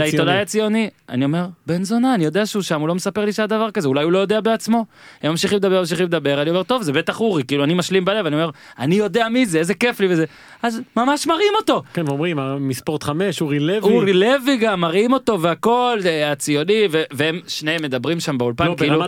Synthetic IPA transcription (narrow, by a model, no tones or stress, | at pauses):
aiodajat͡sio̞nia̰nio̞me̞ʁbenzonaːnijo̞d̪eaʃeuʃamulo̞mesape̞ʁliʃead̪avaʁkazeulajulo̞jo̞d̪eabeat͡smo̞emːamʃiχimled̪abe̞amʃ̬iχimld̪abe̞ʁaliome̞ʁt̪o̞vzebet̪aχuʁikiiluanimaʃlimbale̞vanio̞me̞ʁanijo̞d̪e̞amize̞ezeke̞fliveze | ʔazmamaʃmaʁimo̞t̪o̞kenveomʁimamispoʁt̪χameʃuʁileviuʁileviɡamːaʁimo̞t̪o̞veako̞lat͡sijo̞niveveemʃnejemːe̞d̪abʁimʃambeulpankiilu